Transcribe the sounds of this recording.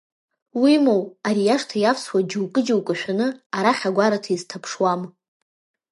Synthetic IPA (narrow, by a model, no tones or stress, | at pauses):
wimowaɾijaʂtʰajafswad͡ʒɪwkʼɨd͡ʒiwkʼɨʃᶣanɨaɾaχʲaɡʷaɾatʰaiztʰapʰʂwam